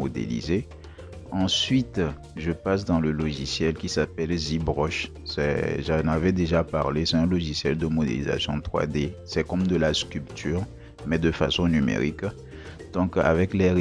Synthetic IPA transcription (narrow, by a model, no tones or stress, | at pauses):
od̪ḛlḭze | ɑ̃sɥit̪ | ʒəpasd̪ɑ̃ləlɔʒisjɛlkʲisapɛlzibʁɔʃ | sɛ̰ʒɑnavɛd̪eʒapa̰ʁlesɛt̪ɛ̃lɔʒisjɛld̪əmod̪ḛliza̰sjɔ̰̃t̪χwa̰d̪esɛkɔmd̪əlaskʲylpt̪ʰyːʁ | mɛd̪əfa̰sɔ̃nymḛʁik | d̪̥ɔ̃ka̰vɛklɛʁ